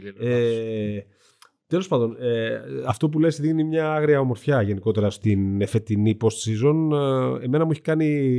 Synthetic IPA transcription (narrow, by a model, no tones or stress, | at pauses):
e | t̪e̞lospɐnd̪o̞neɐft̪o̞p̬ule̞sðiɣnimɲɐɐɣɾiɐo̞mo̞ɾfçɐʝe̞niko̞t̪e̞ɾɐst̪inefe̞t̪inipo̞st̪sizo̞ne̞me̞nɐmueçi̥kɐni